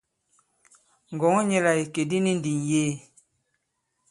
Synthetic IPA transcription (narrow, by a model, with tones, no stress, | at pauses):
ŋ̩˨ɡɔ˨ŋɔ˦ɲɛ˦la˨i˨ke˨di˦ni˦n˦di˨njeː˦˨